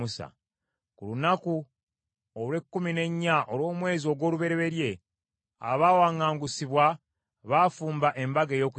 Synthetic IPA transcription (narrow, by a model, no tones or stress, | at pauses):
usa̰ | kulunaku | olwe̞kːumine̞ɲːaʔolwo̞ːmwe̞ːzio̞ɡwo̞ːluβe̞ɾe̞βe̞ɾje̞ | a̰βaːwaːŋaːŋɡusiβwa | βaːfuːmbaʔe̞mbaɡejo̞ːku